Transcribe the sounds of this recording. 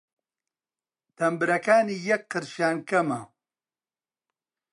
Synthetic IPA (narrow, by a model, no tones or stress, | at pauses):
t̪ɐmbɨɾɐkaːniːjɐk̚qːɨɾʃaːnkɐmɐ